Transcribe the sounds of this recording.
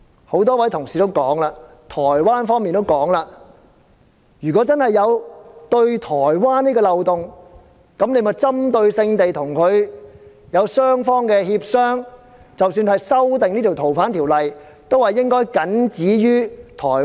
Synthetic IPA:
ho˨˥wt̪ɔː˥wɐ˨˥jt̪ʰʊ˨˩ŋsiː˨˩t̪o˥wkɔː˨˥ŋlaː˧ | t̪ʰɔː˨˩jwaː˥nfɔː˥ŋmiː˨nt̪o˥wkɔː˨˥ŋlaː˧ | jyː˨kɔː˨˥t͡sɐ˥nhɐ˨jːɐ˨˧wt̪ɵ˧ɥt̪ʰɔː˨˩jwaː˥niː˥kɔː˧lɐ˨wt̪ʊ˨ŋ | kɐ˨˥mne˨˧mɐ˨˩t͡sɐ˥mt̪ɵ˧ɥsɪ˧ŋt̪e˨jt̪ʰʊ˨˩ŋkʰɵ˨˧ɥ | jɐ˨˧wsœː˥ŋfɔː˥ŋkɛː˧hiː˧p̚sœː˥ŋ | t͡sɐ˨wsyː˧nhɐ˨jsɐ˥wt̪ɪ˨ŋniː˥t̪ʰi˨wt̪ʰwfaː˨˥nt̪ʰiː˨˩wlɐ˨j | t̪o˥whɐ˨jːɪ˥ŋkɔː˥jkɐ˨˥nt͡siː˨˥jyː˥t̪ʰɔː˨˩

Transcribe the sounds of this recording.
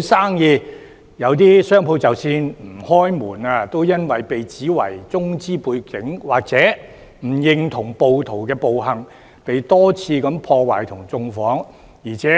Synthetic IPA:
saː˥ŋjiː˧ | jɐ˨˧wt̪̬iː˥sœː˥ŋpʰo˧wt͡sɐ˨wsiː˧nm̩˨˩hɔː˥jmuː˨˩naː˧t̪o˥wjɐ˥nwɐ˨jpe˨jt͡siː˨˥wɐ̰˨˩jt͡sʊ˥ŋt͡siː˥puː˧jkɪ˨˥ŋwaː˨k̚t͡sɛː˨˥ | m̩˨˩jɪ˧ŋt̪ʰʊ˨˩ŋpo˨wt̪ʰo˨˩wkɛː˧po˨wɦɐ˨ŋ | pe˨jt̪ɔː˥t͡sʰiː˧kɐ˨˧˥mpʰɔː˧waː˨˩jt̪ʰʊ˨˩ŋt͡sʊ˧ŋfɔː˨˥ŋ | jiː˨˩t͡sʰɛː˨˥

